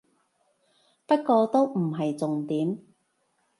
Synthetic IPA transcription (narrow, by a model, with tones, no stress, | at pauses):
pɐ˥t̚kːɔː˧t̪o˥wm̩˨˩ɦɐ˨jt͡sʊ˨ŋt̪iː˨˥m